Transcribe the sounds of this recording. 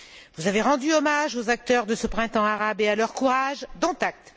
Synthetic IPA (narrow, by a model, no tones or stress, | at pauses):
vuzaveʁɑ̃d̪yɔmaʒozak̚t̪œʁd̪əsəpχɛ̃t̪ɑ̃aʁabealœʁkuʁaʒd̪ɔ̃t̪ak̚t̪